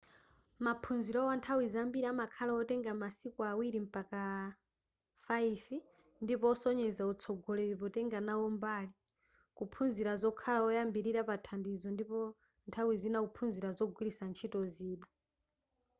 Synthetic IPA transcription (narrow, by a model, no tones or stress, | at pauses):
mapʰunziɾɔwantʰawizambiɾiamakʰalaɔtɛŋɡamasikɔawiɾim̩paka | faifi | ndipɔɔsɔɲɛzaut͡sʰɔɡɔlɛɾipɔtɛŋɡanaɔmbaːli | kupʰunziɾazɔkʰalaɔjambiɾiɾapatʰandizɔndipɔ | ntʰawizinakupʰunziɾazɔɡʱwiɾisant͡ʃʰitɔziːɗa